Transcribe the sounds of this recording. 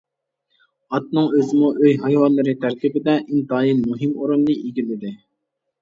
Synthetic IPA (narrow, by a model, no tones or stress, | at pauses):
ɑt̪̚nɨŋøzɪmuʔøjɦɑjwɑnlːˠɨɾɨt̪ʰæɾk̪ʲʰibɪd̪ɛʔint̪ɑːjinmuɦɪmuɾunːɨʔiɡʲilɪd̪ɪ